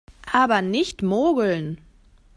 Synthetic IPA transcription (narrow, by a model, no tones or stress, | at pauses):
ʔʔaːbɐnɪçtmoːɡl̩n